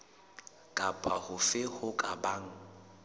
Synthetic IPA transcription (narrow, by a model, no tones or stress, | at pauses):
kʼapʼahʊfɪhʊkʼabaːŋ̩